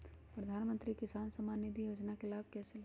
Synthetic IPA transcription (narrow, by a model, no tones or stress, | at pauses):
pɾəd̪ʱaːnmə̃nt̪ɾikɪsaːnsəmaːnːid̪ʱijoːd͡ʒnakɪlaːbkɛːsel